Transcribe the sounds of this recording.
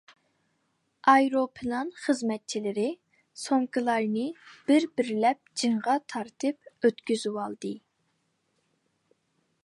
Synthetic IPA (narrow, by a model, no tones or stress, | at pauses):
ɑjɾopʰɨlˠɑnχəzmɛt̪̚t͡ʃʰilɪɾɪ | soŋkʰɨlˠɑɾnɨb̥ɪɾbɪɾlɛp̚d͡ʒiŋʁɑt̪ʰɑɾt̪ʰɨp̚øt̪kʲyzywɑlˠd̪ɨ